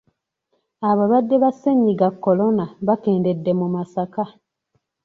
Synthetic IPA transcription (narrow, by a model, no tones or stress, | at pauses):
aβalwadːe̞βasːeɲːiɡakːo̞lo̞naβake̞ːnde̞dːe̞mumasaka